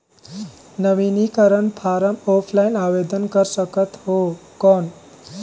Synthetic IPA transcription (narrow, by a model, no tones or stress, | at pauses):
nəʋinikəɾənpʰaɾəmopʰlaɪnabed̪ənkəɾsəkət̪ɦokɔn